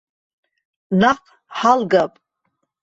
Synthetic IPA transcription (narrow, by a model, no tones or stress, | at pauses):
naqʼ | ħalɡapʼ